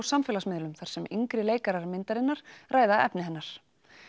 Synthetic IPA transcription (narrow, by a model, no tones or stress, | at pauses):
wsamfɪːlasmɪðlʏmθaɾ̥sɛmiŋkɾɪleːjkaɾaɾmɪnt̪aɾɪnːaɾ̥raːjðaɛpnɪhɦɛnːaɾ̥